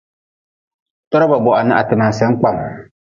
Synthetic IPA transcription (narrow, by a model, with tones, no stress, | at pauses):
tɔ˦ɾa˦ba˨bɔ˨ʔa˨nɪ˦ʔa̰˨tɪ˨na˨sɛ˦k͡pa˦˨m